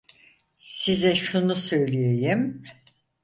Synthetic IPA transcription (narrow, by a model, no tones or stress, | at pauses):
sizɛʃunusø̞jlʲijejim